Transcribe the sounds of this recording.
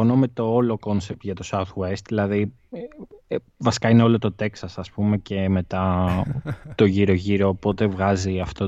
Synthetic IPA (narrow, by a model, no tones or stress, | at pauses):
o̞nome̞t̪o̞olo̞ko̞nsep̚t̪ʝɐt̪o̞sɐwt̪west̪ðilɐði | vɐsi̥kɐineo̞lo̞t̪o̞t̪e̞ksɐsɐspume̞ce̞me̞t̪ɐ | t̪o̞ʝiɾo̞ʝiɾo̞ːpo̞t̪e̞vɣɐziɐft̪o